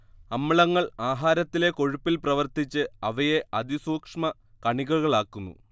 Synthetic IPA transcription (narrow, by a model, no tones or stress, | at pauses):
ɐmːiɭɐŋːɐɭaːɦaːɾɐt̪ːile̞ko̞ɻupːilprɐʋɐrt̪it͡ɕːɨɐʋɐjeʔɐd̪isuːkʂmɐ | kɐɳiɣɐɣɐɭaːkːunːṵ